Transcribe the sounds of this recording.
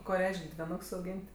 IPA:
ˈkoː ˈrʲɛɪʃʲkʲ dʲʋʲɪˈnoːks ɐʊˈɡʲiːnʲtʲ

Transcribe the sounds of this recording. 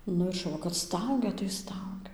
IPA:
ˈnʊ ɪr ʃʊˈʋɐ kɐt ˈstɐʊɡʲɛ tɐɪ ˈstɐʊɡʲɛ

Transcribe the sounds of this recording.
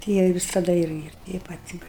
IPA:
tʲɪ ˈjiɛ ɪ ʋʲɪsɐˈdɐ ˈɪr ɪr tʲɛɪ ˈpɐt ɪr

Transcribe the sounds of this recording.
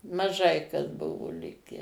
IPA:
mɐˈʒɐɪ kɐs ˈbʊʋoː ˈlʲɪkʲæː

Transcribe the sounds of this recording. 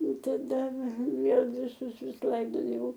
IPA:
tɐˈdɐ ˈʋʲeːlˠ ʋʲɪˈsʊs ˈʋʲɪs ˈlˠɐɪdoːjɛʊ

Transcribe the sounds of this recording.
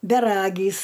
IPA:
bʲɛˈrɑːɡʲiːs

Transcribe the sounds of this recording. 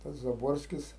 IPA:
tɐs zɐˈboːrʲsʲkʲɪs

